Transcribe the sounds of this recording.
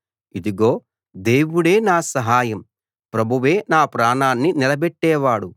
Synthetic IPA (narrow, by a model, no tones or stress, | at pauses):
id̪iɡoː | d̪e̞ːwuɽe̞ːnaːsɐɦaːjɐm | pɾɐbʱuʋe̞ːnaːpɾaːɳaːnːinilɐbɛʈːɛːʋaːɽu